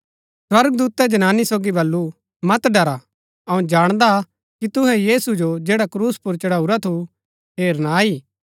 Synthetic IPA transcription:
swɐɾɡəd̪uːt̪ɛd͡ʒɐnaːnisoːɡibɐlːu | mɐt̪ɖɐɾa | ɐũd͡ʒaːɽ̃d̪a | kit̪ʊɦɛ̃jiːsud͡ʒod͡ʒeːɽakɾuːspʊɾt͡ʃɐɽaːuɾat̪ʰu | ɦeːɾnaːiː

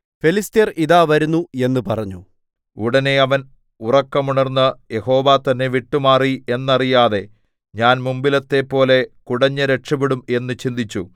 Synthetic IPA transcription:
felist̪ijɐriðaːʋɐɾunːue̞nːɨpɐrɐɲːu | uɽɐne̞ɐʋɐn | urɐkːɐmuɳɐrnːɐje̞ho̞ːʋaːt̪ɐnːe̞ʋiʈːumaːrie̞nːɐrijaːðe̞ | ɲaːnmumbilɐt̪ːe̞pːo̞ːle̞kuɽɐɲːɐɾeʈʂɐbiɽume̞nːɨt͡ɕind̪it͡ɕːu

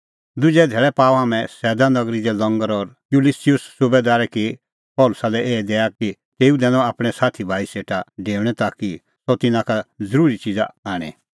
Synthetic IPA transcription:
d̪ʊd͡ʒɛd̪ʱeːɭɛpaːɔɦaːmɛ̃sɛːd̪anɐɡɾid͡ʒɛlɔ̃ŋɡəɾɔɾ | julisijʊssʊbed̪aːɾɛki | pɔːlʊsalɛeːd̪eːjaki | t̪eːud̪ɛːnɔ̃aːpɽ̃ɛsaːt̪ʰibʱaːiseːʈaɖeːʋɽ̃ɛt̪aki | sɔt̪ɪnãkazɐɾuːɾit͡ʃid͡zaaːɽ̃ɛ̰̃

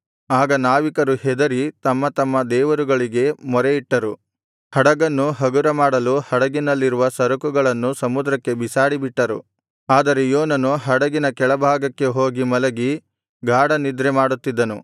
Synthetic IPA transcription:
aːɡɐnaːʋikɐɾuhɛd̪ɐɾit̪ɐmːɐt̪ɐmːɐd̪ɛːʋɐɾuɡɐɭiɡe̞mɔɾeiʈːɐɾu | hɐɽɐɡɐnːuɦɐɡuɾɐmaːɽɐluhɐɽɐɡinɐlːiɾuʋɐsɐɾɐkuɡɐɭɐnːusɐmud̪ɾɐkːe̞bisaːɽibiʈːɐɾṵ | aːd̪ɐɾe̞joːnɐnuɦɐɽɐɡinɐkɛɭɐbʱaːɡɐkːe̞ɦo̞ːɡimɐlɐɡi | ɡʱaːɽɐnid̪ɾemaːɽut̪ːid̪ːɐnu

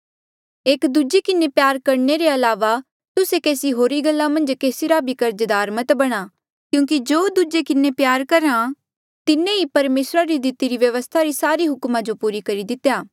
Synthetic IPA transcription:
eːkd̪ud͡ʒekɪnepjaːɾkɐɾneɾeɐlaːʋa | t̪ʊsekeːsiɦoːɾiɡɐlːamɐ̃nd͡ʒkeːsiɾabʱikɐɾd͡ʒd̪aːɾmɐt̪bɐɽ̃a | kjũːk̬id͡ʒoːd̪ud͡ʒekɪnepjaːɾkɐɾã | t̪ɪnẽipɐɾmeːsɾaɾid̪ɪt̪iɾiʋjɐʋəst̪ʰaɾisaːɾiɦʊkmad͡ʒopuːɾikɐɾid̪ɪt̪jaː

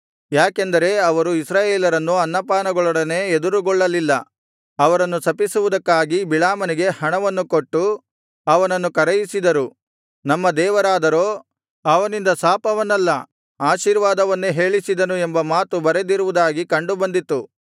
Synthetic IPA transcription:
jaːkend̪ɐɾe̞ɐʋɐɾuisɾaːjeːlɐɾɐnːuɐnːɐpaːnɐɡɔɭɐɽɐne̞ːed̪uɾuɡɔɭːɐlilːɐ | ɐʋɐɾɐnːusɐpisuʋud̪ɐkːaːɡibiɭaːmɐniɡe̞hɐɳɐʋɐnːukoʈːu | ɐʋɐnɐnːukɐɾɐjisid̪ɐɾu | nɐmːɐd̪ɛːʋɐɾaːd̪ɐɾo̞ː | ɐʋɐnind̪ɐsaːpɐʋɐnːɐlːɐ | aːʃiːɾʋaːd̪ɐʋɐnːeɦe̞ːɭisid̪ɐnue̞mbɐmaːt̪ubɐɾe̞d̪iɾuʋud̪aːɡikɐɳɖubɐnd̪it̪ːu

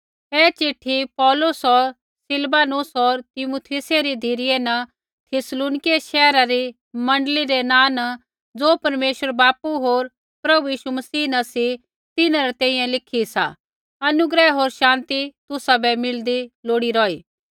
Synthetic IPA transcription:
ɛːt͡ʃeʈʰːipɔːlʊsɦɔɾ | sɪlbaːnʊsɔːɾt̪ɪmuːt̪ʰiseɾid̪ʱeːɾɪjenɐ | t̪ʰɪsluːnɪkeeʃɛːɾaɾi | mɐ̃ɳɖəliɾenaːnɐ | d͡zoːpɐɾmeːʃəɾbaːpuɦoːɾ | pɾɐbujiːʃumɐsiːnɐsi | t̪ɪnãɾɛt̪ɛ̃ːĩjɛ̃lɪkʰisa̰ | ɐnʊɡɾɛɦoːɾʃãːnt̪it̪ʊsabɛmɪld̪iloːɽiɾɔːiː

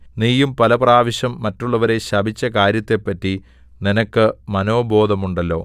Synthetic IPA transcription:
niːjumpɐlɐpraːʋɐɕɐmːɐtːuɭːɐʋɐɾe̞ɕɐbʱit͡ɕːɐkaːɾjɐt̪ːe̞pːɐtːi | ninɐkːɨmɐno̞ːbʱo̞ːd̪ʱɐmuɳɖɐlːo̞̰ː

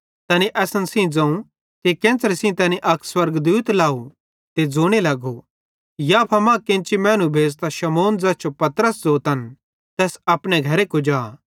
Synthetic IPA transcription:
t̪ɐniʔɛːsənsĩd͡zɐ̃ũ | kekẽːnsəɾesĩt̪ɐːniʔɐkswɐɾɡd̪uːt̪laːu | t̪ed͡zoːɽ̃elɐɡo | japʰɐmãːkẽːnt͡ʃimɛ̃ːñũbʱeːd͡zt̪aʃɐmoːnd͡zɐːt͡ʃopɐt̪ɾəsd͡zoːt̪ɐn | t̪ɛːsɐpɽ̃eɡʱɐɾekod͡ʒaː

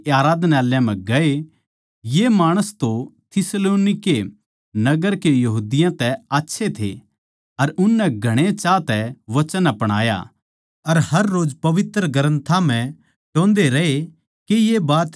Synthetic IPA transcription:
aːɾaːd̪naːljãmɛ̃ɡɐe | jemaːɽ̃əst̪ot̪ʰɪsloːnɪke | nɐɡəɾkejɐɦuːd̪ɪjãt̪ɛaːtːʃʰet̪ʰḛ | ɐɾʊnːɛɡʱɐɽ̃et͡ʃaːt̪ɛʋɐt͡ʃənɐpɐɽ̃a̰ːja̰ | ɐɾhɐɾːoːd͡ʒpɐʋɪt̪ɾəɡɐɾə̃nt̪ʰam̤ɛ̃ | ʈõːnd̪eɾɐe | kejebaːt̪

